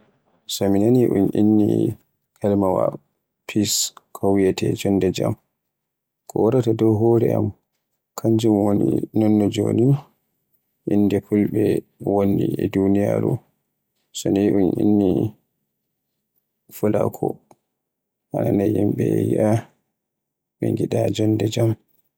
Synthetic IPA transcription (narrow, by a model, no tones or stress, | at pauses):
sɔminaniʔunʔinːi | kʰalmawa̰ | pʰiskʰɔwjɛtʰɛd͡ʒɔnːdɛd͡ʒam | kʰɔwaɾatadɔwɦoɾɛʔam | kʰaɲd͡ʒumwonḭnɔnːɔd͡ʒo̰ni | ʔinːdɛkʰulɓɛ | wonːiɛdunija̰ɾu | sɔniiʔunʔḭnːi | fula̰kʰɔ | ʔananajimɓɛjḭʔa | ɓɛŋɡiɗad͡ʒɔndɛd͡ʒam